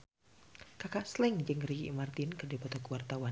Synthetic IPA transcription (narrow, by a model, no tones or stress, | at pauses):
kakaʔslɪŋd͡ʒɨŋrikḭmart̪inkərdipɔt̪ɔkuwart̪awa